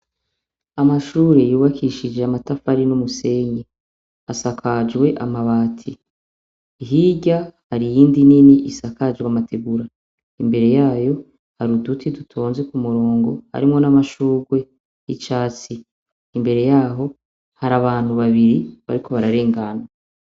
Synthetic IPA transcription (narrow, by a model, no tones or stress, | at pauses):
amaʃuːɾe̞juːβakʰiʃid͡ʒe̞amatafaɾinumuse̞ːɲe | asakʰad͡ʒɡwe̞ʔamaβaːtʰiː | ɦiɟahaɾijiːndininiʔisakad͡ʒɡwamatʰeɡuɾa | imbe̞ɾe̞jaːjo̞ | haɾudutʰidutʰo̞ːnze̞kumuɾo̞ːŋɡo̞ha̰ɾimŋo̞namaʃuːɡwe̞ | jit͡ʃaːt͡siː | mbe̞ɾe̞jaːɦo̞ | haɾaβaːn̥huβaβiɾiβaɾikʰo̞βaɾaɾe̞ːŋɡana